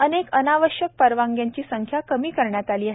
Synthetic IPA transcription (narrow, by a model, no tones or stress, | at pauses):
ənekənaʋəɕjək̚pəɾʋaŋɡjaɲt͡ɕiːsəŋkʰjakəmiːkəɾɳjat̪aliːaɦe